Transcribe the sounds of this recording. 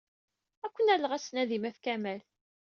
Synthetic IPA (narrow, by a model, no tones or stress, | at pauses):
ækʷːənælːəʁæsnæðimæfkæmæl